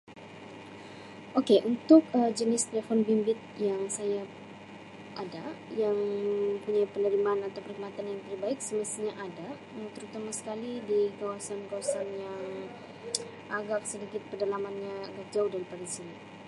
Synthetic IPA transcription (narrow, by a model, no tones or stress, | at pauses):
ʔokeʔunt̪ʊkəd͡ʒənɪst̪elefɔnbimbɪt̪̚jaŋsaja | ʔadajaŋəmpuɲajpənəɾimanat̪awpərikmat̪anjaŋt̪əɾbaɪk̚səməst̪iɲaʔada | t̪əɾut̪amasə̥kalidikawasankawasanjaŋ | ʔaɡak̚sədikɪt̪̚pərdalamanɲaaɡak̚d͡ʒaʊhdaɾipadasini